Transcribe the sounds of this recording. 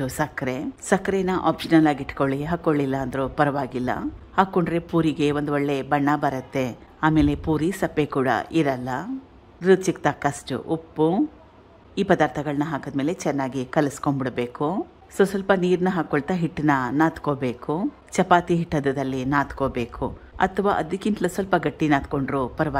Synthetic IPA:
usɐkɐɾesɐkːɐɾenɐʔa̰ːpʂɐnɐlaːɡiʈːkoɭːiɦaːkːoɭːilːɐːnd̪ɐɾupɐɾɐʋaːɡilːɐ̰haːkːoɳɖɾe̞puːɾiɡe̞ʋond̪uoɭːe̞bɐɳːɐbɐɾɐt̪ːe̞ | aːme̞ːlepuːɾisɐpːekuːɽɐ̰ʔiɾɐlːɐ | ɾut͡ʃik̚t̪akɐsʈṵʔupːu | iːpɐd̪aːɾt̪ʰɐɡɐɭɐnɐɦaːkɐd̪me̞ːle̞t͡ʃɛnːaːɡikɐlɐskoɳbiɽbeːku | soːsɐlpɐniːɾnɐɦaːkoɭt̪aɦiʈːnɐnaːt̪koːbe̞ːku | t͡ʃɐpaːt̪iɦiʈːɐd̪ɐd̪ɐlːinaːt̪koːbe̞ːkʰṵɐ̰t̪ʰɐʋaːʔɐd̪ikint̪ɐlɐsɐlpɐɡɐʈːinaːt̪ko̞ɳɖɾupɐɾɐʋaː

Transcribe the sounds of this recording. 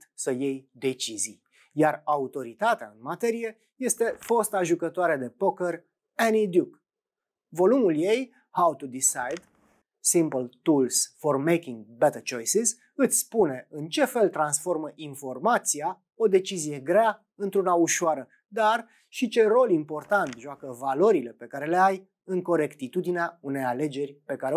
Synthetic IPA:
t̪səje̞jd̪e̞t͡ʃizij | jaraut̪o̞ɾit̪at̪ea̰ɨnmat̪e̞ɾije̞ | je̞st̪e̞fo̞st̪aʒukət̪oaɾed̪e̞po̞kər | enid̪juk | vo̞lumulje̞j | hawt̪ud̪isajd̪ | simpəlt̪ulsformejkʲiŋɡbɛt̪ət͡ʃo̞jsiz | ɨt̪sʲspune̞ɨnt͡ʃe̞fe̞lt̪ɾansfo̞rməʔinfo̞rmat̪sia | o̞d̪e̞t͡ʃizije̞ɡɾea | ɨnt̪ɾunauʃoaɾə | d̪ar | ʃit͡ʃe̞ro̞limpo̞rt̪ant̪ʒoakəvalo̞ɾile̞pe̞kaɾe̞le̞aj | ɨŋko̞ɾe̞kt̪it̪ud̪ineaune̞jale̞d͡ʒe̞rʲpe̞kaɾe

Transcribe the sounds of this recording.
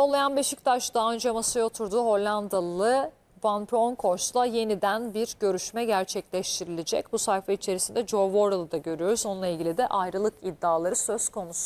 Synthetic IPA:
olˠajanbeʃic̚t̪ʰaʃd̪aɦaø̞nd͡ʒɛmasajot̪ʰuɾd̪uːɦo̞lʲːand̪alˠɯ | banpʰɾo̞nkʰo̞ʃlˠaje̞nid̪ænbiɾɟø̞ɾyʃmɛɟæɾt͡ʃʰɛclʲɛʃt̪ʰiɾilʲed͡ʒɛ̰cbusajfait͡ʃʰe̞ɾisind̪ɛd͡ʒo̞ɾvo̞ɾalˠɯd̪aɟø̞ɾyjo̞ɾuzo̞nunˠailʲɟilʲid̪ɛʔajɾɯlˠɯkid̪ːaːlˠaɾɯsø̞zkʰo̞nusu

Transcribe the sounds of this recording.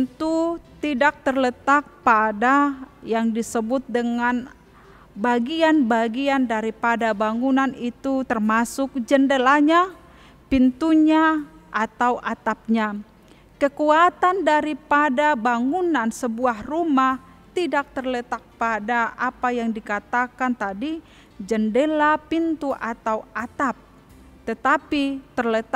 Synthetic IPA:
ənt̪ut̪idak̚t̪ərlət̪ak̚padajaŋdisəbʊt̪̚dəŋan | baɡianbaɡiandaɾipadabaŋunanit̪ut̪ərmasʊk̚d͡ʒəndəlaɲa | pint̪uɲaʔat̪awʔat̪ap̚ɲa | kəkuat̪andaɾipadabaŋunansəbuahrumah | t̪idak̚t̪ərlət̪ak̚padaʔapajaŋdikat̪akant̪adi | d͡ʒəndelapint̪uʔat̪awat̪ap̚ | t̪ət̪apit̪ərlət̪

